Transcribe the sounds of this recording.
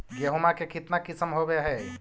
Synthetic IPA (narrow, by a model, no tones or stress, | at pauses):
ɡeɦumakekɪt̪nakisəmɦobeɦɛː